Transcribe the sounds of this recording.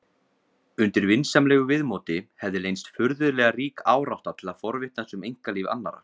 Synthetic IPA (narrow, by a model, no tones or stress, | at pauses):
ʏnt̪ɪɾvɪnsamlɛːɣʏvɪðmoːt̪ɪhɛvðɪlejnst̪fʏɾðʏlɛːɣariːkaːwɾawht̪at̪ʰɪlaðfɔɾvɪht̪nasʏmejŋ̥kaliːva̰nːa̰ɾa̰